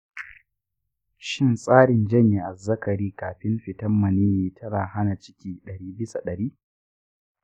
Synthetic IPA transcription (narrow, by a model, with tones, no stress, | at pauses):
ʃɪ˦nsʼaː˦ɽɪ˨nd͡ʒɐ˦ɲji˨ʔa˨zɐ˦kɐ˨ɽiː˦kaː˨ɸɪ˦mɸɪ˨tɐ˦mːɐ˨niː˦miː˨tʰɐ˦ɾaː˨ha˦na˨t͡ʃɪ̥˦kʲiː˦ɗɐ˨ɽiː˦bɪ˦sa˨ɗɐ˨ɾiː˦